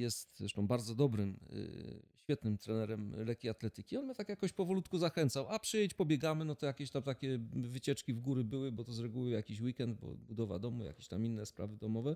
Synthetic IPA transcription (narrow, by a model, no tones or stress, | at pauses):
jɛst̪zɾɛʂt̪ɔ̃w̃baɾd̪zɔd̪ɔbɾɘm̰ | ɕfʲjɛt̪nɘmt̪ɾɛnɛɾɛmlɛkʲiat̪lɛt̪ɘkʲiɔnmjət̪akjakɔɕpɔvɔlut̪kuzaxɛnt̪sawapʂɘjɛt͡ɕpɔbʲjɛɡamɘnɔt̪ɔjakʲeɕt̪amt̪akʲɛvɘt͡ɕɛt͡ʂkʲivɡuɾɘbɘwɘbɔt̪ɔzɾɛɡuwɘjakʲiɕwikɛnd̪̚bɔ̰bud̪ɔva̰d̪ɔmuja̰kʲeɕt̪aminːɛspɾa̰vɘd̪ɔmɔvɛ